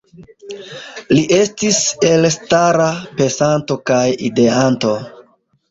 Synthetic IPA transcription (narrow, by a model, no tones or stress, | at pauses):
liʔe̞stise̞lstaɾape̞santo̞kajide̞anto̞